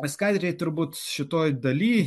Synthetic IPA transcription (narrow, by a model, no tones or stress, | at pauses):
ʋʲɪskɐɪt̪ʲɾʲɛɪt̪ʊɾbuːt̪ʃʲɪt̪oːjd̪ɐlʲiː